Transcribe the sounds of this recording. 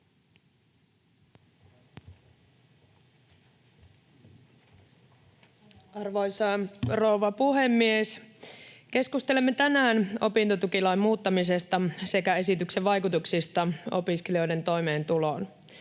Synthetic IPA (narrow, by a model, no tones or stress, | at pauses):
ɑrʋojsɑrouʋɑpuɦe̞mːies | ke̞skust̪e̞lemːet̪ænæːno̞pint̪ot̪ukilɑimmuːt̪ːɑmise̞st̪ɑsekæe̞sit̪ykseʋʋːɑjkut̪uksist̪ɑo̞̰piskelio̞jde̞nt̪o̞jme̞ːnt̪ulo̞ːn